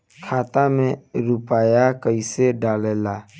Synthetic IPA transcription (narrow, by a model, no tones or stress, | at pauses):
kʰaːt̪amẽɾʊpaːjakəiseɖaːleːlaː